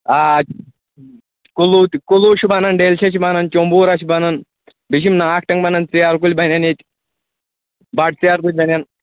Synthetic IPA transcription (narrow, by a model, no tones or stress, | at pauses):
a | kulut̪kuluʃubanɐnɖelʃɐʃibanɐnt͡ʃombuːɾaʃibanɐn | biʃ̬imnaːkʰʈɐŋɡbɐnɐnt͡sijaɾk̬ulʲbɐnʲɐnet̪ʲ | baʈ̚t͡sijaɾkut̪̚ʲbɐnʲan